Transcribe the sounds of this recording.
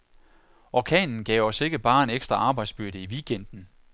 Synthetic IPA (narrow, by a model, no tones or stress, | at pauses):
ʔɒkʰɛ̰ːnn̩ɡ̥ɛʊɒ̽se̝ɡ̥əb̥ɑ̈ːe̝neɡ̥sd̥ʁɐɑ̈ːb̥ɑ̈ɪ̰d̥sb̥yɐ̰ɾəiʋiɡ̥en̰d̥n̩